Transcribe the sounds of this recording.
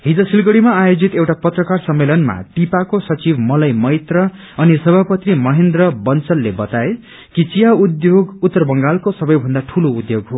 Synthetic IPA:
ɦid͡zʌsilɡʌɽimaːjod͡zit̪ewʈapʌt̪rʌkarsʌmːelʌnma̰t̪ipakosʌt͡sibmʌlʌjmʌjt̪rʌ | ʌnisʌbʱapʌt̪rimʌɦend̪rʌbʌnt͡sʌlːebʌt̪ae | kit͡sijaud̪joɡut̪ːʌrbʌŋɡalkosʌbʌjbʱʌnd̪aʈʰuloud̪joɡɦo

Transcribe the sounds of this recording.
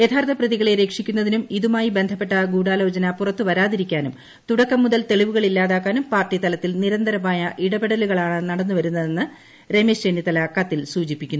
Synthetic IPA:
jet̪ʰaːrt̪ʰɐprɐðiɣɐɭe̞ɾe̞ːkʂikʲːunːɐðinumiðumaːjibe̞nd̪ʱɐpːe̞ʈːɐɡuːɽaːlo̞ːd͡ʑɐnɐpurɐt̪ːɨʋɐɾaːðiɾikʲːaːnum | t̪uɽɐkːɐmːuðɐlt̪e̞ɭiʋuɣɐɭilːaːðaːkːaːnumpaːrʈːit̪ɐlɐt̪ːilniɾɐnd̪ɐɾɐmaːjɐʔiɽɐbeɽɐluɣɐɭaːɳɨnɐɽɐnːuʋɐɾunːɐðe̞nːɨ | re̞mesenːit̪ɐlɐkɐt̪ːilsuːd͡ʑipːikʲːunːu

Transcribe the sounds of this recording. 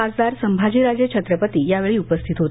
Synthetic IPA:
ad͡zd̪aɾsəmbʱad͡ʑiːɾad͡zjət͡ɕʰət̪ɾəpət̪iːjaʋeɭiːupəst̪ʰit̪ɦot̪

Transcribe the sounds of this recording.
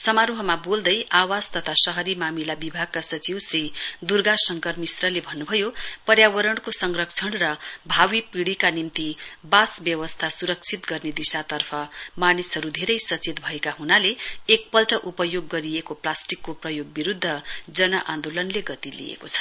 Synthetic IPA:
sʌmaɾuɦʌmabold̪ʌjawast̪ʌt̪ʰasʌɦʌɾimamilabibʱaɡ̚kasʌt͡siwsrid̪urɡasʌŋkʌrmisrʌlebʱʌnːubʱʌjopʌɾjawʌɾʌɳkosʌŋrʌk̚t͡sʰʌɳrʌbʱawipiɽikanimt̪ibasbjʌwʌst̪ʰasuɾʌk̚t͡sʰit̪ɡʌrned̪isat̪ʌrpʰʌmanisʌɾud̪ʱeɾʌjsʌt͡set̪̚bʱʌekaɦunaleːk̚pʌlʈʌʔupʌjoɡːʌɾijekoplasʈikːoprʌjoɡ̚biɾud̪ʱːʌd͡zʌnʌʔãnd̪olʌnleɡʌt̪ilḭḛkot͡sʰʌ̥

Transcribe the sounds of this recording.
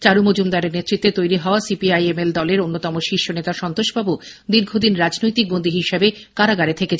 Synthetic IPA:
t͡ɕaɾumod͡ʑumd̪aɾeɾnet̪ːɾit̪ːet̪ojɾiɦɔoasipiajemeld̪ɔleɾonːot̪ɔmoʃiʃːonet̪aʃɔnt̪oʃbabud̪iɾɡʱod̪inɾad͡ʑnojt̪ik̚bond̪ʱiɦiʃebekaɾaɡaɾet̪ʰeket͡ɕ

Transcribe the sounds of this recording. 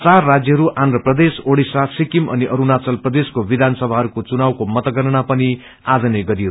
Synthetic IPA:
t͡sarːad͡zjʌɦʌɾuʔand̪rʌprʌd̪esoɽisasikimʌ̰niʔʌɾunat͡sʌlprʌd̪eskobid̪ʱansʌbʱaɦʌɾukot͡sunawkomʌt̪ʌɡʌnʌnapʌni | ad͡zʌneɡʌɾio

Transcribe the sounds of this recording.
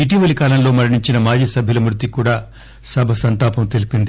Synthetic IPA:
iʈ̬iːʋɐlikaːlɐmlo̞ːmɐɾiɳiɲt͡ʃinɐmaːd͡ʒiːsɐbʱjulɐmɾut̪ːikuːɽaː | sɐbʱɐsɐnt̪aːpɐmt̪elipind̪i

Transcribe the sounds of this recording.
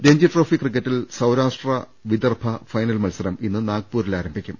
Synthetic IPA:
ɾe̞ɲd͡ʑɐʈroːfikːrikːɐtːilsɐwɾaːʂʈrɐ | ʋid̪ɐrbʰʱɐfɐjnɐlmɐlsɐɾɐminːɨnaːɡ̚puːɾilaːɾɐmbʱikʲːum

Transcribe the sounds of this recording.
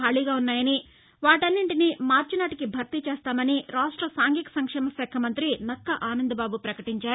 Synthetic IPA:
aːɭiːɡaːunːaːjɐni | ʋaːʈɐnːiɳʈinimaːɾt͡ʃinaːʈikibʱɐɾt̪it͡ʃeːst̪aːmɐniɾaːʂʈɾɐsaːŋɡikɐ̥sɐŋkʂɛːmɐsɛːkʰɐmɐnt̪ɾinɐkːɐʔaːnɐnd̪ʱɐbaːbupɾɐkɐʈiɲt͡ʃaːɾ

